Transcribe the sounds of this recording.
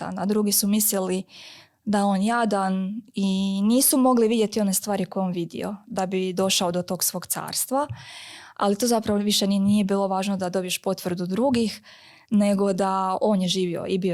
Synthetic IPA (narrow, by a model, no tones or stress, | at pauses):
a̰nad̪ɾuːɡisumislili | d̪ao̞ːnjad̪aniniːsumo̞ɡliʋid̪je̞t̪io̞ne̞st̪ʋaːɾiko̞jeo̞ːnʋid̪ḭo̞̰d̪abid̪o̞ʃaod̪o̞t̪o̞ːɡsʋo̞ːɡ̥t̪sa̰ːɾst̪ʋa | a̰lit̪ozapɾaʋoʋiʃennije̞biːlˠo̞ʋaːʒnod̪ad̪o̞bije̞ʃpo̞t̪ʋr̩d̪ud̪ɾuːɡix | ne̞ɡo̞d̪ao̞ːnjeʒiːʋio̞̰ibio